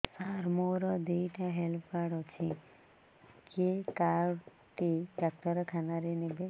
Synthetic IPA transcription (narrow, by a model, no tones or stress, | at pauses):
saɾmoɾɔd̪ejʈaɦelpʰkaɽɔt͡ʃʰĩ | kekaɾ | ʈiɖak̚t̪ɔɾɔkʰanaɾinebe